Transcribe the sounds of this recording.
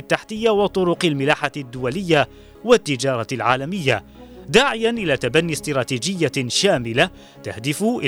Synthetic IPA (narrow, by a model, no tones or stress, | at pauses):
t̪ːaħt̪ɪjːawɑt̪ˤʊɾʊqalmɪlaːħad̪ːʊwalɪjːa | wat̪ːɪd͡ʒɑːɾˤɑlʕa̰ːlamɪjːa̰ | d̪aːʕɪjanʔɪlaːt̪abanːist̪ɾˤɑːt̪iːd͡ʒɪjːaʃaːmɪla | t̪ahd̪ɪfʊʔɪ